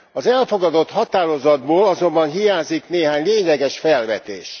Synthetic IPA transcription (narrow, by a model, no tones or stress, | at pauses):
ɒzɛlfo̞ɡɒd̪o̞t̪hɒt̪aːɾo̞zɒd̪boːlɒzo̞mbɒnɦijaːzikneːɦaːɲleːɲlɛɡɛʃfɛlvɛt̪ḛːʃ